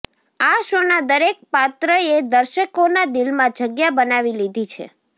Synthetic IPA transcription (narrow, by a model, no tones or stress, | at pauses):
aʃonad̪əɾek̚pat̪ɾəed̪əɾʃəkonad̪ilmãd͡ʒəɡjabənaʋilid̪ʱit͡ʃʰḛ